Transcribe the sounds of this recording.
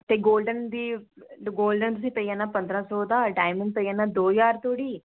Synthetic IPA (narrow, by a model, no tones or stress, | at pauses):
t̪eːɡoːlɖənd̪iːɡoːlɖənt̪̬ʊsĩːpəiːãːnaːpə̃nd̪ɾãːsɔːd̪aːɖaːɪmɪ̃ɳpəiaːnaːd̪oːjaːɾt̪ʰoːɽiː